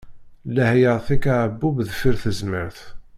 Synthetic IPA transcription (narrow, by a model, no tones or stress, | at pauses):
læhjəʁˤθikaʕəbːubðfiɾθəzməɾθ